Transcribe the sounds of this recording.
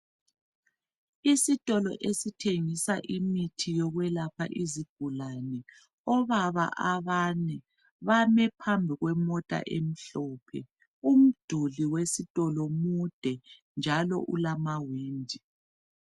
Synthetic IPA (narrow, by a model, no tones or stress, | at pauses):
isitʼɔlɔ̰ʔesitʰeŋisaʔimitʰijɔɣwɛlapʰa̰ʔiziɡ̥̚ʱulanɛ | ɔβaβa̰ʔaβanɛ | βamɛpʰambʱiɣwɛmɔtʼa̰ʔem̩ɬɔːpʰɛ̰ | um̩d̥ʱuliwesitʼɔlɔmud̥ʱɛ | nd͡ʒʱalɔ̰ʔulamawiːndʱi